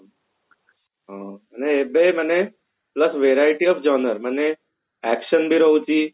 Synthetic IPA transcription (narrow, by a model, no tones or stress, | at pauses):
ɦãəneːbeməne | pləsʋeɾaɪʈiɔfd͡ʒɔːnəɾməne | ɛkʃənbʱiɾəut͡ʃi